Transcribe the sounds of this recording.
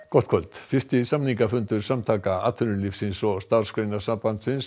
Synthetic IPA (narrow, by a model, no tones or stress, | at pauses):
kɔht̪̚kʰvœlt̪fɪst̪ɪsamniŋkafʏnt̪ʏɾ̥samt̪ʰaːkaa̰ːt̪ʰʏnʏlifsɪnsɔst̪aɾr̥skɾejnasampant̪sɪns